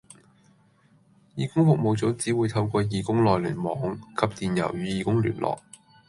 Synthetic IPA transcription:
jiː˨˩kʊ˥ŋfʊ˨k̚mo˨wt͡sɔ˨˥wt͡siː˨˥wuː˨˧jt̪ʰɐ˧wkɔː˧jiː˨˧kʊ˥ŋlɔː˨jliː˨˩nmɔː˨˥ŋkʰɐ˨˧p̚t̪iː˨njɐ̰˨˩wjyː˨˧jiː˨˧kʊ˥ŋly̰ː˨˩nlʔɔ̰ː˨k̚

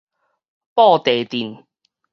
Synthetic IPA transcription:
pɔː˥˩t̪eː˨˩t̪iː˨˩n

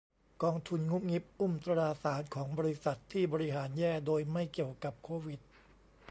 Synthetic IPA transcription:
kɔː˧ŋt̪ʰu˧nŋu˦˥p̚ŋi˦˥p̚ʔu˥˩mt̪a˧ɾaː˧saː˩˦nkʰɔː˩˦ŋbɔː˧ɾi˦˥sa˨˩t̪ʰːiː˥˩bɔː˧ɾi˦˥ɦaː˩˦njɛː˥˩doː˧jma˥˩jki˨˩əwka˨˩p̚kʰoː˧wi˨˩t̪̚

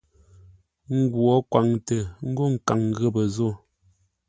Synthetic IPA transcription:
ŋ̩˦ɡwɔ˨˦kwa˨ŋtə˨ŋ̩˦ɡo˦˨ŋ̩˨ka˨ŋɣə˦bə˨zo˦

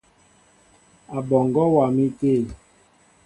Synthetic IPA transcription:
a˨bɔ˨ŋɡɔ˦wa˨mi˦te˦˨

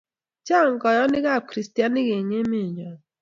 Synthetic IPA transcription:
t͡ʃa˦˨ŋ˨ɡɔ˨jɔ˦nɪ˦ɣa˦˨kɾi˨sti˦a˦nɪ˦ɣe˨ŋe˦mɪ˦˨ɲɔ˨

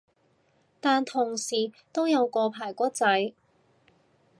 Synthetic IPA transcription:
t̪aː˨˧nt̪ʰʊ˨˩ŋsiː˨˩ | t̪o˥wjɐ˨˧wkɔː˧pʰaː˨˩jkʷɔː˥t͡sɐ˨˥j

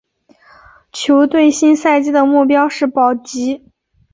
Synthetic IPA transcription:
t͡ɕʰjo˧˥ʊt̪we˥˩ɪɕi˥nsa˥˧ɪt͡ɕi˥d̪ə˨mu˥˩pjɑ˥ʊʂɻ̩˥˩pɑ˨˩ʊt͡ɕi˧˥

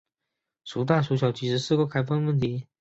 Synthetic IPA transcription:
ʂu˨˥t̪a˥˩ʂu˧˥ɕjɑ˨˩ʊt͡ɕi˧˥ʂɻ̩˧˥sɹ̩˥˧kɔ˥kʰa˥ɪfɑ˥˧ŋwə˥˩nt̪ʰi˧˥

